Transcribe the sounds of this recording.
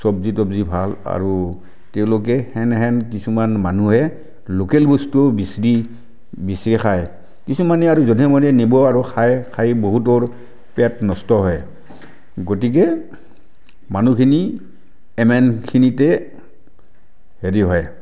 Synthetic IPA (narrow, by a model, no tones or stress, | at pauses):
sɔbzit̬ɔbzibʱala̰ɹu | tɛʊ̃lok̬ɛhɛnɦɛnk̬isumanmanuɦɛ | lokɛlbostobisɹi | bisɹixʰaj | kisumanɛaɹuzɔdʱɛmɔnɛnibɔaɹuxʰajkʰajboɦut̬ɔɹ | pɛtnɔstɔɦɔj | ɡot̬ik̬ɛ | manukʰini | ɛmɛnkʰinitɛ | heɹiɦɔj